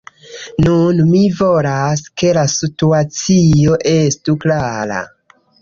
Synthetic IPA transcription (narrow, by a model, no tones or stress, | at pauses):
nunmivolaske̞lasituat͡sioʔestuklaɾa̰